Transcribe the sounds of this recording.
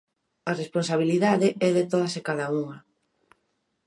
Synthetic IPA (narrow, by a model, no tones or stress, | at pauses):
aresponsaβ̞iliðaðɪɛðet̪oð̞ɐsekaðauŋɐ